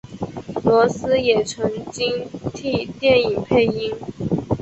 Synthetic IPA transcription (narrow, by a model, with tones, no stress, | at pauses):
lwɔ˧˥sɹ̩˥jɛ˨˩ʈ͡ʂʰɤ˧˥ŋt͡ɕi˥ŋt̪ʰi˥˧t̪jɛ˥˩ni˨˩ŋpʰe˥˩ɪi˥ŋ